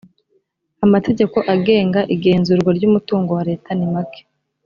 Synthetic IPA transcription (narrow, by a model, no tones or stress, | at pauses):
amate̞ɟe̞ko̞ʔaɡe̞ːŋɡaʔiɡe̞ːnzuːɾɡwaɾɟuːmutuːŋɡo̞waɾe̞ːtʰanimake̥